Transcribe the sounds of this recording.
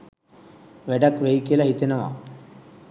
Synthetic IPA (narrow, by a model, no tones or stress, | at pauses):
ʋeɖɐkʋejkilɐɦit̪inɐʋa̰